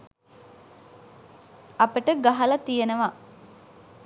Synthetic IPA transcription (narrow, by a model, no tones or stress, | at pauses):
apəʈəɡaɦɐlɐt̪ijenəʋa